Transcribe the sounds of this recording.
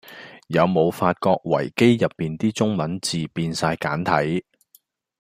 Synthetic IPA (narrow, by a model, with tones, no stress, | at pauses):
jɐ˨˧wmo˨˧wfaː˧t̚kɔː˧k̚wɐ̰˨˩jke˥jjɐ˨pːiː˨nt̪iː˥t͡sʊ˥ŋmɐ˨˥nt͡siː˨piː˧nsaː˧jkaː˨˥nt̪ʰɐ˨˥j